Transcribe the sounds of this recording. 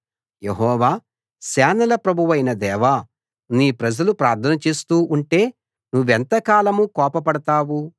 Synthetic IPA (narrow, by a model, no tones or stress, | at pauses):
jeɦɔːʋaː | sɛːnɐlɐpɾɐbʱuʋɐjnɐd̪ɛːʋa | niːpɾɐd͡ʒɐlupɾaːɾt̪ʰɐnɐt͡ʃe̞ːst̪uːʔuɳʈe̞ː | nuʋːent̪ɐkaːlɐmukɔːpɐpɐɽɐt̪aːwu